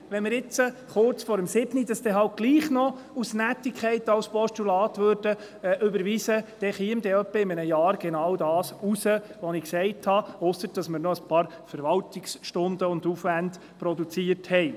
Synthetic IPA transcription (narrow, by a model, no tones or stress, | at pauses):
ʋɛnmɪɾɪt͡səχʊrt͡sfɔɾəmsɪbnid̥ɑsd̥ɛɦɑlt̚ɡ̥liːχnɔ | usnætːɪkχɛɪtɑlspɔʃtulɑːtʋøːɾd̥ə | ʔɵbəɾʋisəd̥ɛχiəmd̪ɛœpːəɪmənəjɑːɾɡ̥ɛnɑwdɑːsusəʋɔnɪksɛɪthɑosəɾd̥ɑsmɪɾnɔəspʰɑːɾfɛɾʋɑltɪksʃtʊndəʊnd̪ufʋænd | pɾɔdut͡siəɾthɛɪ